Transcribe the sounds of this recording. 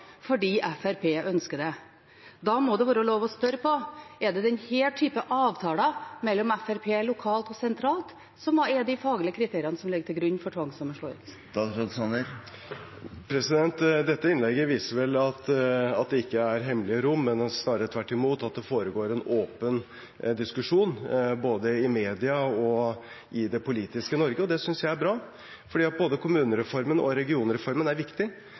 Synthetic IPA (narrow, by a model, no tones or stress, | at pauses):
fɔɖiːʔæfæɾpʰeːʔœnskəɖ̪ɛ | d̪ɑmɔd̪ɛʋɑːɾəloːʋɔspœɾəpʰɔɛɖɛd̪ɛnheːlʈ̪ʰyːpəʔɑːʋt̪ʰɑːlɑmɛlːɔmɛfæɾpʰeːlʊkʰɑːlt̪ɔsɛnt̪ʰɾɑːlt̪ | sɔmɑɛd̪ɪfɑːɡlɪəkʰɾɪt̪ʰeːɾɪɑnəsɔmlɪɡːəʈ̪ʰɪlɡɾʉɲːfɔʈʰʋɑŋsɑməʂɭoːɪ̰t̪ | d̪̥ɑɡɾod̪sɑnəɾ | pʰɾɛsɪd̪ɛnt̪d̪ɛt̪ːəɪnlɛɡːəʋiːsəɾʋɛlɑt̪ɑt̪̚d̪ɛɪkːəæɾɦɛmlɪəɾʊmːɛnsnɑːɾəət̪ʰʋæʈːɪmuːt̪ɑt̪̚d̪ɛfoːɾəɡoːɾɛnoːpən | d̪ɪskʉʂuːnboːd̪əɪmeːd̪ɪɑɔ | ʔɪd̪ɛpʰʊliːt̪ɪskənɔɾɡəɔd̪ɛsʏnsjæɪæɾbɾɑː | fɔɖiːɑt̪̚boːd̪əkʰʊmʉːnəɾɛfɔɾmənʔɔ̰ɾɛɡɪuːnəɾɛfɔɾmənæɾʋɪkt̪ɪ